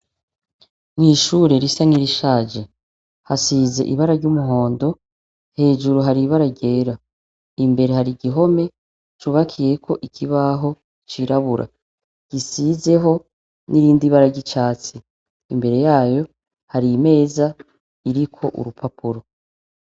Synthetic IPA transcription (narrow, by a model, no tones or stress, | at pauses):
ŋhiʃuɾeɾisaŋiɾiʃaːd͡ʒe | hasize̞̰ʔḭβaɾaɾɟumuɦo̞ːndo̞ | he̞ːʒuɾuɦaɾiβaɾaɟe̞ːɾa | imbe̞ɾe̞haɾiɟiɦo̞me̞ | t͡ʃuβakʰije̞kʰo̞ʔikʰiβaɦo̞ | t͡ʃiɾaβuɾʔa̰ | ɟ̥isize̞ɦo̞ | nʔiɾiːndiβaɾaɟit͡ʃaːt͡siː | mbe̞ɾe̞jaːjo̞ | haɾime̞ːza | iɾikʰo̞ʔṵɾupʰapuɾo